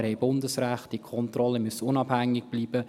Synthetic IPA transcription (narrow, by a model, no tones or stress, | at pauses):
ɾhɛɪbʊndəsræχt̚d̥ikʰɔntrɔləmøsʊnɑbhæŋːɪɡ̥̚b̥liːbə